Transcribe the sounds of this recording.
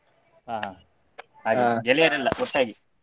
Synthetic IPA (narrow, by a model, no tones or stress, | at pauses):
ɦaːɦaː | ɦaːɡiɡelijɐɾɛlːɐɡɔʈ̪ːaːɡi